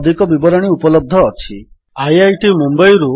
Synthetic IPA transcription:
d̪ʱikɔbibɔɾɔɽ̃iupɔlɔb̚d̪ʱɔːt͡ʃʰi | ajajʈimumbajɾu

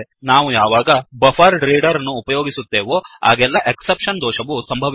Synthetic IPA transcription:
naːʋujaːʋaːɡɐbɐfʰɐɾɖɾiːɖɐɾɐnːuːpɐjoːɡisut̪ːeːʋoa̰ːɡɛlːɐʔeksepʂɐnd̪ɔːʃɐʋusɐmbʱɐʋ

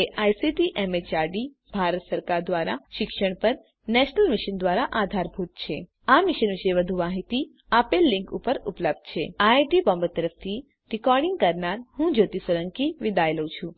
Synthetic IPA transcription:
eʔajsiʈiʔɛmet͡ʃaɾɖi | bʱaɾət̪səɾkaɾd̪ʋaɾa̰ʃɪkʃəɳ̃pəɾ | nɛʃnəlmiʃənd̪ʋaɾaʔad̪ʱaɾbʱut̪̚t͡ʃʰe | amiʃənʋiʃəjʋəd̪ʱuʋaɦit̪i | apelːĩŋkupəɾupləb̚d̪̥̚t͡ʃʰeajʈipɔ̃mbət̪əɾəft̪ʰi | ɾikɔɾɖiŋɡ̚kəɾnaɾhũd͡ʒot̪isəɾəŋkiʋid̪ajlət͡ʃʰũ

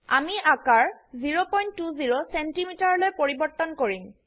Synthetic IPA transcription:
a̰miʔakaɹziɹopɔjntːuziɹosentimitaɹlojpoɹibɔɹt̪ɔnkoɹim

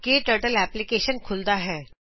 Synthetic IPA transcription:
keʈəɾʈəlɛːplɪkeːʃənkʰʊld̪aɦɛː

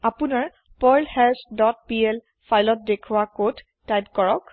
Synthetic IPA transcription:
apunaɹ | pɔjlhɛlsdɔt̚piel | pʰajlɔt̚dekʰuwakodː | ajp̚kɔɹɔk

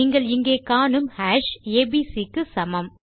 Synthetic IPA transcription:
iŋɡɐɭɪŋɡeːkaːnɯmhaːʂeːbiːsikːɯsɐmɐm

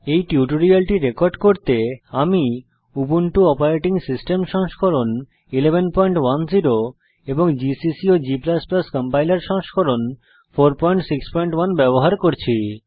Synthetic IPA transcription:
ejʈjuʈoɾialʈiɾekɔɾɖkoɾt̪eami | ubunʈuɔpaɾeʈiŋsisʈemʃɔŋʃkʰoɾon | ilebʱenpɔjɳʈwand͡ʑiɾo | eboŋd͡ʑisisiod͡ʑiplasplaskɔmpajlaɾʃɔŋʃkʰoɾon | fʰoɾpɔjɳʈsikspɔjɳʈwanbɛboɦaɾkoɾt͡ɕʰi

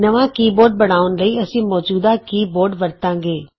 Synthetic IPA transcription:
nɐʋãkiːboːɾɖ̚bɐɽ̃aːʊnɾɐiɐsĩmɔːd͡ʒuːd̪akiːboːɾɖʋɐɾt̪ãːŋɡeː

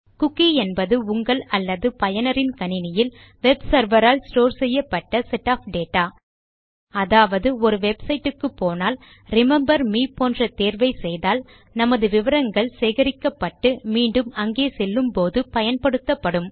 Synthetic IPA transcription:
kʊkːiɛnbɐðɯʊŋɡɐɭɐlːɐðɯpɐjɐnɐɾɪnkɐnɪnɪjɪl | ʋɛbsɐɾʋɐɾaːlsʈoːɾsɛjːɐpːɐʈːɐsɛʈːaːfɖeːʈːaː | ɐðaːʋɐðɯɔɾɯʋɛbsɐɪʈːɯkːɯpːoːnaːl | ɾɪmɛmbɐɾmiːpoːndrɐt̪eːɾʋɐɪsɛjðaːl | nɐmɐðɯʋɪʋɐɾɐŋɡɐɭseːɣɐɾɪkːɐpːɐʈːɯmiːɳɖɯmɐŋɡeːsɛlːɯmpoːðɯpɐjɐnpɐɽɯt̪ːɐpːɐɽɯm

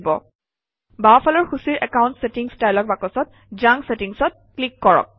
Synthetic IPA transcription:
bɔ̰ | bapʰalɔɹxusiɹʔɛkawʊ̃ntsetiŋstajlɔk̚bakɔsɔt̚ | zaŋsetiŋsɔt̚klikːɔɹɔ̰k̚

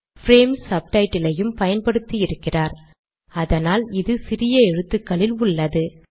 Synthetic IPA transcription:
fɾeːmsɐb̚ʈɐɪʈːɪlɐjɯmpɐjɐnpɐɽɯt̪ːiɪɾɯkːɪraːɾ | ɐðɐnaːlɪðɯsɪrɪjɐɛɻɯt̪ːɯkːɐɭɪlʊɭːɐðɯ

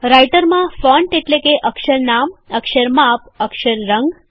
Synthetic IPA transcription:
ɾajʈəɾmãfɔɳʈeʈlekeʔəkʃəɾnaməkʃəɾmap̚əkʃəɾːəŋɡ

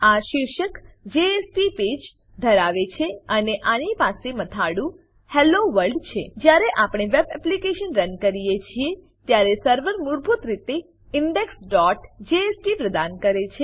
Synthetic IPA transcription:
aʃɪɾʃəkd͡ʒeespiped͡ʒ | d̪ʱəɾaʋet͡ʃʰeəneʔañipasemət̪ʰaɽũ | heloʋəɾɖt͡ʃʰed͡ʒjaɾeʔapɽ̃eʋebɛplikeʃənɾənkəɾijet͡ʃʰie | t̪jaɾesəɾʋəɾmuɾbʱut̪ɾit̪e | ɪɳɖeksɖɔʈd͡ʒeespipɾəd̪ankəɾet͡ʃʰe

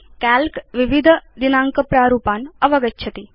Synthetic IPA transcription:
kælkʋiʋid̪ʱd̪inãːŋkəpɾaːɾuːpaːnɐʋɐɡətːt͡ʃʰɐt̪i

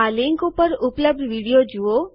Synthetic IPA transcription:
alɪŋkopəɾʊpləb̚d̪ʱʋiɽijod͡ʒuo

